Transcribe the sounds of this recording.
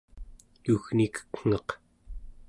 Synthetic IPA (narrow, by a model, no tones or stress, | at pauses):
juɣnikə̥kŋ̥ʌq